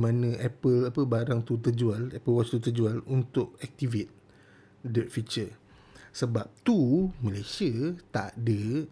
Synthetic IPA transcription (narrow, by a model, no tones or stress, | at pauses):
mãnə̃ʔɛpəlapəbaɾaŋt̪ut̪əd͡ʒualɛpəlwɔst̪ut̪əd͡ʒualunt̪ʊk̚ɛk̚t̪ivet̪̚ | dət̪fit͡ʃə | səbap̚t̪uməlajsiət̪adə